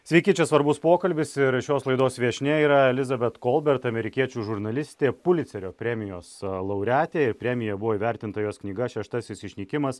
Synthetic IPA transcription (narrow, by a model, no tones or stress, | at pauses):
sʲʋʲɛɪkʲiːt͡ʃʲɛsʋɐɾbʊspoːkɐlʲbʲɪsɪɾʃʲoːslˠɐɪd̪oːsʋʲiɛʃʲnʲɛiːɾɐɛlʲɪzɐbʲɛt̪kɔlˠbʲɛɾt̪ɐmʲɛɾʲɪkʲiɛt͡ʃʲuːʒʊɾnɐlʲɪsʲt̪ʲeːpʊlʲɪt̪sʲɛɾʲoːpʲɾʲɛmʲɪjoːslˠɐʊɾʲæːt̪ʲeːɪɾpʲɾʲɛmʲɪjɛbʊʋoːiːʋʲæɾʲt̪ʲɪnt̪ɐjoːsknʲiːɡɐʃʲɛʃt̪ɐsʲɪsɪʃʲnʲiːkʲɪmɐs